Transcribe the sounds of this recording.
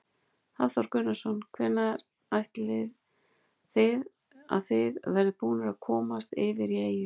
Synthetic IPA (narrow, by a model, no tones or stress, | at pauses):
θaðθaɾkʏnasɔnkʰvɛnːaɾ | ajht̪lɪð | θɪð | a̰ðθɪðvɛɾðɪpuːnaɾakʰɔːmast̪ɪvɪɾieːjɪ